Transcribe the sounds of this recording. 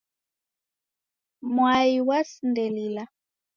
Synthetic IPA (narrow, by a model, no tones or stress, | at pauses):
mwaiwasindɛlila